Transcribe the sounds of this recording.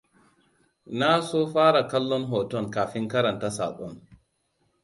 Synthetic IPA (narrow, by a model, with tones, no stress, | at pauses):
naː˦sɔ˦faː˦ɾa˨kɐ˦lːɔ˦nɦɔː˨tɔ˦˨nkaː˨fi˦ŋka˦ɾɐ˨nta˦sa̰ː˨ɓɔ˨n